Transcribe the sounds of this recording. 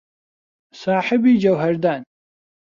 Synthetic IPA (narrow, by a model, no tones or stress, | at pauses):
saːħɪbiːd͡ʒɐwɦɐɾd̪aːn